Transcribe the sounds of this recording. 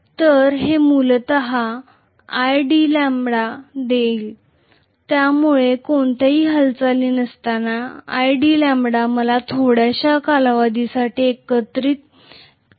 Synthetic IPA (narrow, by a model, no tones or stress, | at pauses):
t̪əɾɦemult̪əɦaː | jɖilɛ̃mbɽad̪el | t̪jamuɭekoɳt̪aɦiːɦəlt͡saliːnəst̪anaa̰jɖilɛ̃mbɽaməlat̪ʰoɽjaɕakalʋad̪isaʈiːekət̪ɾiːt̪̚